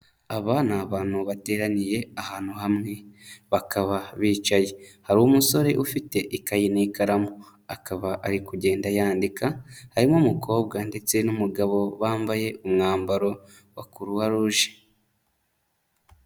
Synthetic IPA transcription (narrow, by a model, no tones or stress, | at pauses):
aβanaβaːn̥huβate̞ːɾaɲije̞ahaːn̥huɦamŋe̞βakʰaβaβiːt͡ʃaje̞haɾuwumuso̞ɾe̞ʔufite̞ʔikajinikaɾamo | akaβaʔaɾikuɟe̞ːndajaːndikahaɾimomuko̞ːb̚ɡande̞t͡se̞numuɡaβo̞βaːmbaje̞ʔumŋaːmbaɾo̞ | wakuɾuwaɾuʒe̥